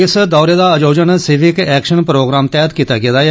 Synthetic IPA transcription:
ɪsd̪ɔːɾeːd̪aːəd͡ʒoːd͡ʒənsɪʋɪkɛːkʃənpɾoːɡɾaːmt̪ɛːəd̪kiːt̪aːɡɪaːd̪aː

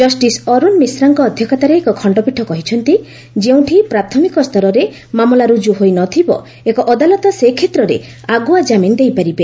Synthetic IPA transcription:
d͡ʒɔsʈisɔɾunmisɾaŋkɔːd̪ʱjɔkʰat̪aɾeːkɔkʰɔɳɖɔpiʈʰːɔkɔɦit͡ʃʰɔnt̪i | d͡ʒeũʈʰipɾat̪ʰɔmikɔst̪ʰɔɾɔɾe | mamɔlaɾud͡ʒuɦojnɔt̪ʰibɔ̰ | ekɔʔɔd̪alɔt̪ɔsekʰet̪ɾɔɾḛ | aɡuad͡ʒamind̪ejpaɾibe

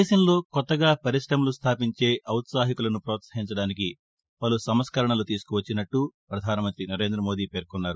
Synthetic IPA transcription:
d̪eːʃɐmlo̞ːkɔt̪ːɐɡaːpɐɾiʂɾɐmlust̪ʰaːpiɲt͡ʃe̞ːʔɐwt̪saːɦikulɐnupɾoːt̪sɐ̥ɦiɲt͡ʃɐɽaːnik̬i | pɐlusɐmɐskɐɾɐɳɐlut̪iːsu̥kuʋɐt͡ʃːinɐʈːupɾɐd̪ʱaːnɐmɐnt̪ɾinɐɾe̞ːnd̪ɾɐmo̞ːd̪iːpe̞ːɾkɔnːaːɾu

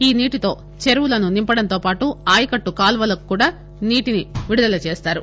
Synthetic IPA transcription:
iːniːʈit̪o̞ː | t͡ʃeɾuwulɐnunimpɐɽɐnt̪oːpaːʈuaːjɐkɐʈːukaːlʋɐlɐku̥kuːɽaː | niːʈiniʋiɽud̪ɐlɐt͡ʃeːst̪aːɾu

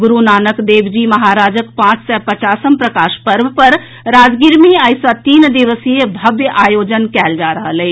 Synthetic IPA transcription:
ɡʊɾunaːnəkd̪eːbd͡ʒimɐɦaːɾaːd͡ʒəkpãːt͡ʃsɛpət͡ʃaːsəmpɾəkaːʃpəɾbpəɾ | ɾaːd͡ʒɡiɾmiaːjsat̪iːnd̪iʋəsijəbʱɐbjəʔaːjoːd͡ʒənkɛːld͡ʒaːɾəɦəlɛi

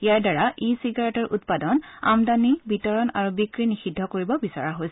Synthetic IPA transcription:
ijaɹdaɹaʔisiɡaɹɛtɔɹʔutpadɔna̰mdanibitɔɹɔna̰ɹubikɹinixidʱːɔkoɹibɔbisa̰ɹaɦojsɛ

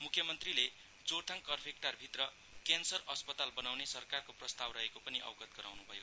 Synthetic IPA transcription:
mukʰːjʌmʌnt̪rile | d͡zot̪ʰaŋkʌrpʰek̚ʈʌrbʱit̪rʌ | kensʌrʌspʌt̪albʌnawnesʌrkarkoprʌst̪awrʌɦekopʌniʔʌ̰wɡʌt̪̚ɡʌɾa̰wnubʱʌjo

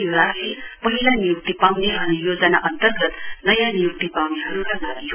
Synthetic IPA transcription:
ɾalepʌɦilanijuk̚t̪ipawneɦʌɾujod͡zənaʔʌnt̪ərɡət̪nʌjanijuk̚t̪ipawneɦʌɾukanaɾi

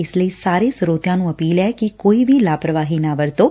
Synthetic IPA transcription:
esləisaɾesɾot̪janũəpiːlekikoibilapɾəʋaɦinaʋəɾt̪o

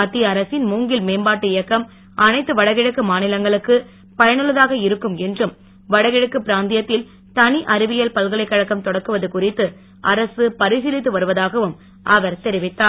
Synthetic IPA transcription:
ɐt̪ːiɐɾɐsɪnmuːŋɡɪlmeːmbaːʈːɯɪjɐkːɐm | ʔɐnɐɪt̪ːɯʋɐɽɐɣɪɽɐkːɯmaːnɪlɐŋɡɐɭɯkːɯ | pɐjɐnɯɭːɐðaːɣɐɪɾɯkːɯmɛndrɯm | ʋɐɽɐɣɪɻɐkːɯpɪɾaːnd̪ɪjɐt̪ːɪl | t̪ɐniʔɐɾɪʋɪjɐlpɐlɣɐɭɐɪkːɐɻɐkːɐmt̪ɔɽɐkːɯʋɐðɯkʊrɪt̪ːɯ | ʔɐɾɐsɯpɐɾɪsɪlɪt̪ːɯʋɐɾɯʋɐðaːɣɐʋɯm | ʔɐʋɐɾt̪ɛɾɪʋɪt̪ːaː

